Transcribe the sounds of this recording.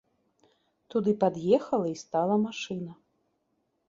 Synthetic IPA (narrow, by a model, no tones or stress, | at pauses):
t̪ud̪ɨpad̪jɛxɐlˠɐist̪alˠɐmaʂɨnɐ